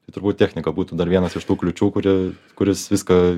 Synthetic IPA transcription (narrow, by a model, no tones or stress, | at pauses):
t̪ɐɪt̪ʊɾbuːt̪ʲt̪ʲæːxʲnʲɪkɐbuːt̪uːd̪ɐɾʋʲiɛnɐsɪʃt̪uːklʲʊt͡ʃʲuːkʊɾʲɪkʊɾʲɪsʋʲɪskɐ